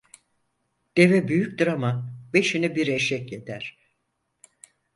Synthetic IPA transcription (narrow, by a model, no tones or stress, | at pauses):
d̪̥e̞vɛbyjyc̚ʲd̪ɯɾamabe̞ʃinibiɾeʃɛcjet̪ʰæɾ̥